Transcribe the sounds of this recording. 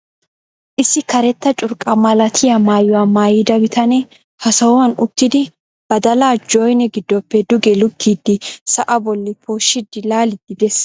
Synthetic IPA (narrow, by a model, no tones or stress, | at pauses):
ʔɪsːɪkɐɾɛt̪ːɐt͡ʃʼʊɾkʼɐmɐlɐt̪ʰɪjɐmaːjɔwaːmaːjɪd̪ɐbɪt̪ʰɐnɛ | hɐsɐwɔwɐnʊt̪ːɪd̪ɪ | b̥ɐd̪ɐlaːd͡ʒojnɛɡɪd̪ːɔpːɛd̪ʊɡɛlʊkʰːiːd̪ːɪsɐʔɐbɔlːɪpʰoːʃːɪd̪ɪlaːlɪd̪ɪd̪ɛs